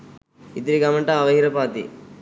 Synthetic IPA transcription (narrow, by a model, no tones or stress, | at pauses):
id̪ɾiɡamɐɳʈaːʋɐɦiɾɐpaːt̪ḭ